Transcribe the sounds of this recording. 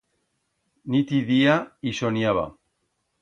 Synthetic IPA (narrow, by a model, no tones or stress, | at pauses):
nit̪iðiaisoniaβa̰